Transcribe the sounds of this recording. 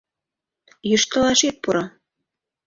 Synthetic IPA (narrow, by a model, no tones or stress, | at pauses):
jŭʃt̪ɤ̆lɑʃet̪̚puɾɑ